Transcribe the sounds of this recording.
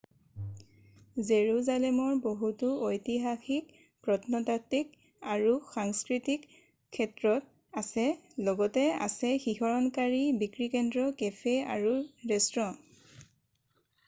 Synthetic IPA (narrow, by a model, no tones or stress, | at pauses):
zeɹuzalɛmɔɹboɦutuojtiɦaxik | pɹɔtnɔtatik | aɹuxaŋskɹitikʰː | ɛtɹɔt̚ | asɛlɔɡɔtɛa̰sɛxixɔɹɔnkaɹibikɹikɛndɹɔkepʰea̰ɹuɹɛstɹɔ